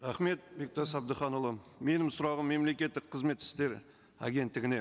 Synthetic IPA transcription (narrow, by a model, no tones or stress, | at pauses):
ɾaχme̞t̪̚bek̚t̪ɑsɑb̚d̪əχɑnulˠəme̞nɪmsʊɾɑʁəmːe̞mle̞kʲe̞t̪ːɪk̚qʰəzme̞t̪ːɪ̥st̪e̞ɾ | a̰ɡʲe̞nt̪ːɪɡʲɪne̞